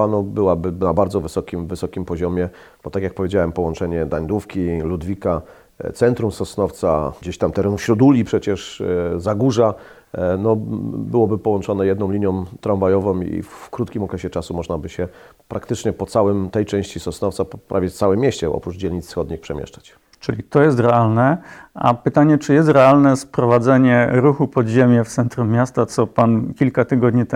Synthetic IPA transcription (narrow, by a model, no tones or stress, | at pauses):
anɔbɘwabɘnabaɾd̪zɔvɘsɔkʲimvɘsɔkʲimpɔʑɔmʲjɛ | b̥ɔt̪akʲjak̚pɔvʲed͡ʑawɛmpɔwɔnt͡ʂɛɲɛd̪aɲd̪ufkʲilud̪vʲika | t̪sɛnt̪ɾumsɔsnɔft̪saɡd͡ʑeɕt̪amt̪ɛɾɛnufɕɾud̪ulʲipʂɛt͡ɕɛʂzaɡuʐa | nɔbɘwɔbɘpɔwɔnt͡ʂɔnɛjɛd̪nɔ̃w̃liɲjɔ̃w̃t̪ɾaɱvajɔvɔ̃mḭfkɾut̪kʲimɔkɾɛɕɛt͡ʂasumɔʐnabɘɕɛ | pɾʔakt̪ɘt͡ʂɲɛpɔt̪sawɘmt̪ɛjt͡ʂɛ̃w̃ɕt͡ɕisɔsnɔft̪sappɾa̰vʲjɛsawɘmʲːjeɕt͡ɕɛɔ̰pɾud͡ʑelʲɲit̪ssxɔd̪ɲixpʂɛmʲjɛ̰ʂt͡ʂḁt͡ɕ | t͡ʂɘlʲit̪ɔjɛs̬t̪ɾɛalnɛʔa̰pɘt̪aɲɛt͡ʂɘjɛst̪ɾɛalnɛspɾɔvad̪zɛɲɛɾuxupɔd̪ʑemʲjɛft̪sɛnt̪ɾumːjast̪at̪sɔpankʲilkat̪ɘɡɔd̪ɲit̪